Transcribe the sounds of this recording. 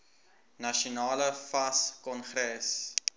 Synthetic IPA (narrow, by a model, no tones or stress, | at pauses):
nɐʃunɑːləfɐskɔnχɾɛs